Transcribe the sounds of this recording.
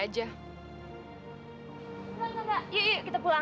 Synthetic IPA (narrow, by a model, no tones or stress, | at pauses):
ad͡ʒa | ɡaŋaɡaʔjajakit̪apula